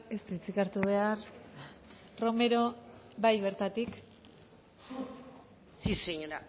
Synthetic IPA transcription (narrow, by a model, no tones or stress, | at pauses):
est̪uit͡sikaɾt̪uβ̞e̞aɾ | ro̞me̞ɾo̞bajβe̞ɾt̪at̪ik | siseɲoɾa